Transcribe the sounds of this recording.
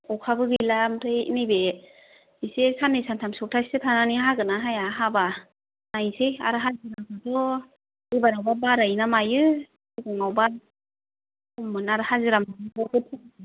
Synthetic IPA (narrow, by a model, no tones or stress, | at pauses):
ɔkʰabɯɡɯjlamtʰɯjḭnɯjbe | isesanɯjsantʰamsɔk̚tʰasi̥tɯtʰananiɦaɡɯnaɦajaɦaba | najseja̰ɾɯɦazɯɾakadɔ | ibaɾawbabaɾajnamajɯ | ɯɡɔŋawba | ɔmːɯnaɾɯhazɯɾamdanɯbɔɡɯt̚ʰɯ